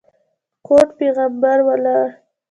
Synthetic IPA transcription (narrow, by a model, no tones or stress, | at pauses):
koʈpeɣambaɾwalaɾ